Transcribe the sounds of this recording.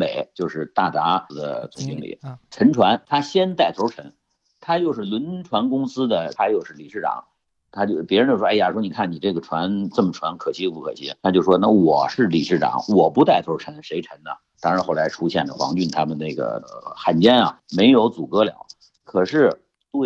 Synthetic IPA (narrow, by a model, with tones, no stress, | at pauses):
me˨˩˦ɪt͡ɕjo˥˧ʊʂɻ̩˥˧t̪a˥˩t̪a˧˥˧d̪ə̰˧˩t͡sʊ˨˩ŋɕi˥ŋlḭ˨˩˦ʈ͡ʂʰə˧˥nʈ͡ʂʰwa˧˥nt̪ʰa˥ɕjɛ˥nt̪a˥˩ɪt͡sʰo˧˥ʊʈ͡ʂʰə˧˥n | t̪ʰa˥t͡ɕjo˥˧ʊʂɻ̩˥˩lwə˧˥nʈ͡ʂʰwa˧˥nkʊ˥ŋsɹ̩˥d̪ə˨a˧˥ɪjo˨˩ʊʂɻ̩˥˩li˨˩ʂɻ̩˥˩ʈ͡ʂɑ̰˨˦ŋ | t̪ʰa˥t͡ɕjo˥˩pjɛ˧˥ɻnt͡ɕjwja˨˩ʂwɔ˥ni˨˩kʰa˥˩ni˨˩ʈ͡ʂɤ˥˩ɡə˩ʈ͡ʂʰwa˧˥nʈ͡ʂɤ˥˩mə˩ʈ͡ʂʰwa˧˥nkʰɤ˨˩ɕi˥˧pu˥˩kʰɤ̰˨˩ɕi˧˥˩a˥t͡ɕjo˥˧ʊʂ̩˩ʂwɔ˥na˥˩wɔ˨˩ʂɻ̩˥˩li˨˩ʂɻ̩˥˩ʈ͡ʂɑ̰˨˩˦ŋwɔ˨˩pu˧˥t̪a˥˩ɪt͡sʰo˧˥ʊʈ͡ʂʰə˧˥nʂe˧˥ɪʈ͡ʂʰə˧˥nnə̰˧ | t̪ɑ˥ŋɻa˧˥nxo˥˩ʊla˧˥ɪʈ͡ʂʰu˥ɕjɛ̰˥˩nlə̰˩xwɑ̰˧˥ŋt͡ɕy˥˩nt̪ʰa˥mə˨nne˥˩ɡə̰˩xa˨˩nt͡ɕjɛ˥nɐ̰˨ | me˧˥ɪjo˧˥ʊt͡su˨˩kɤ˧˥ljɑ̰˨˧˥ʊ | kʰɤ˨˩ʂɻ̩˥˩ | t̪we˥˩